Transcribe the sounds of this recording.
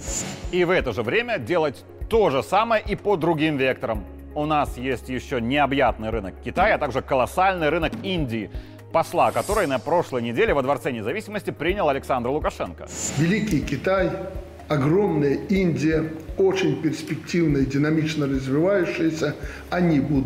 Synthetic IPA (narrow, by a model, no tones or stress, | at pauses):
ivɛt̪əʐɨvɾʲemʲədʲe̞lˠətʲ | t̪o̞ʐɨsaməjəʔipəd̪ɾʊɡʲimvʲe̞k̚t̪əɾəm | ʊnasjesʲtʲjɪɕːonʲɪɐbjat̪̚nɨjɾɨnəkːʲɪt̪ajɐt̪aɡʐɨkəlˠɐsalʲnɨjɾɨnəkinʲdʲɪː | pɐslˠakɐt̪o̞ɾɨjnɐpɾo̞ʂlˠəjnʲɪdʲelʲɪvəd̪vɐrt̪sɛnʲɪzɐvʲisʲɪməsʲtʲɪpɾʲinʲɪlˠɐlʲɪksand̪rlˠʊkɐʂɛnkə̥̰vʲɪlʲikʲɪjkʲɪt̪aj | ɐɡɾomnɨjəinʲdʲɪjəot͡ɕɪnʲpʲɪrsʲpʲɪk̚tʲivnəjdʲɪnɐmʲit͡ɕnərəzʲvʲɪvajʊɕːɪjəsʲə | ɐnʲibud̪